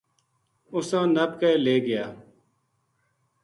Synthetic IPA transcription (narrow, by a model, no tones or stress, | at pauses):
ʊsãːnəb̚kəeːleːɡɪjaː